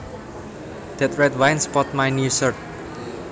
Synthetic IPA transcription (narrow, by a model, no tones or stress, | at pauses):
d̪̥ɛt̪ɹɛt̪̚wajnspɔt̪̚majnjusəɹt̪̚